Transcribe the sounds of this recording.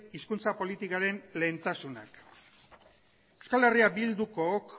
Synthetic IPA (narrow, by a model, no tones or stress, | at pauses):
iskunt͡sapo̞lit̪ikaɾe̞nle̞ːnt̪asuna̰k | ewskale̞riabild̪uko̞k